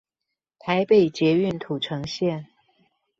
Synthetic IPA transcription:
t̪ʰa˧˦ɪpe˨˩ɪt͡ɕjɛ˧˥y˥˨nt̪ʰu˨˩ʈ͡ʂʰɤ˧˥ŋɕjɛ˥˨n

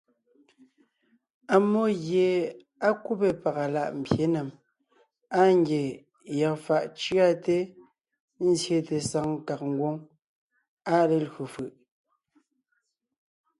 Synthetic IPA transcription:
a˨mo˦ɣje˨ | a˦ku˦pe˨pa˨ɣa˨la̰˦˨ʔm̩˨bje˦ne˨m | a˦ŋɡje˨ | ja˨k̚fa˨ʔt͡ʃɰa˦˨te˦ | n̩˦zje˨te˨sa˨˦ŋ˦ka˨k̚ŋ̩˦ɡwo˦ŋ | a˦le˨lɣu˨fɯ˨ʔ

